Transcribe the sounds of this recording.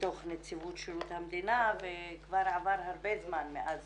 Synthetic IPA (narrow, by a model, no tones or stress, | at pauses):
t̪oχnet͡sivut̪ʃelut̪hamd̪inavekvaɾavaɾhaɾbezmanmeʔaz